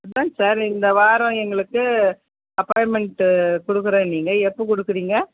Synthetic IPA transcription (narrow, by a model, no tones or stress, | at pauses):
ɐt̪ãːsaːɾɪnd̪ɐʋaːɾɐ̃ɛŋɡɐɭɯkːɯ | ɐpːaːjmɛɳʈkɔɽɯkːɯɾẽːniːŋɡɐɛpːokɔɽɯkːɯɾiːŋɡɐ